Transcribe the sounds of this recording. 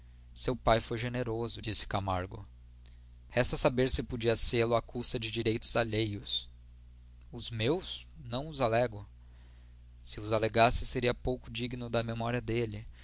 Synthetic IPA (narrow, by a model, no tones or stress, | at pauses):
sewpajfojʒeneɾozʊd͡ʒisɪ̥kamaɾɡʊ̰ | hɛst̪ɐsabeɾsɪpod͡ʒiɐselʊakusɐd͡ʒɪd͡ʒiɾejt̪ʊzaʎejʊs | ʊzmewsnɐ̃w̃ʊzalɛɡo | sɪʊzaleɡasɪseɾiɐpowkʊd͡ʒiɡnʊd̪ɐmemɔɾiɐd̪elɪ